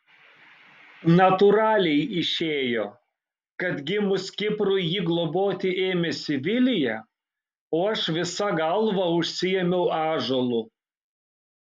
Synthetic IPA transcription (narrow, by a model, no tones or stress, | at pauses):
nɐt̪ʊɾɑːlʲɛɪɪʃʲeːjoː | kɐt̪ɡʲɪmʊsʲkʲɪpɾʊɪjiːɡlˠoboːt̪ʲɪʔeːmʲɛsʲɪʋʲɪlʲɪjɛ | oːɐʃʋʲɪsɐɡɐlˠʋɐʊʃʲsʲɪjɛmʲɛʊʔɑːʒolˠʊ